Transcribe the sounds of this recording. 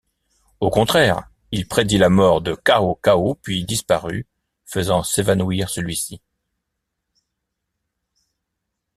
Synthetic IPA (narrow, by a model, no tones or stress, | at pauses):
okɔ̃t̪χɛʁ | ilpχed̪ilamɔʁd̪əkaokaopɥid̪ispaʁy̰ | fəzɑ̃sevanuiʁsəlɥisi